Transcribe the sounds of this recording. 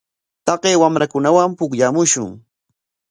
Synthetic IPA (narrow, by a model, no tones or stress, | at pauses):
t̪ɑqeːwamɾakʊnawampʊkʎamʊʃʊ̰ŋ